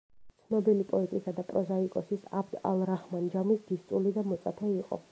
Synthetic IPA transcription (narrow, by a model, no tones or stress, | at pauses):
sʰnɔbilipʼɔɛt̪ʼisad̪apʼɾɔzaikʼɔsisabd̪a̰lˠɾaχmand͡ʒamisd̪ist̪ʼulid̪amɔt̪sʼa̰pʰɛiqʼɔ̰